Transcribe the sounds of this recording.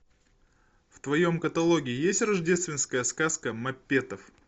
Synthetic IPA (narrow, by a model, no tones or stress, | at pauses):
ft̪vɐjo̞mkət̪ɐlˠo̞ɡʲɪjesʲtʲrɐʐdʲe̞st̪vʲɪnskəjəskaskəmɐpʲːe̞t̪əf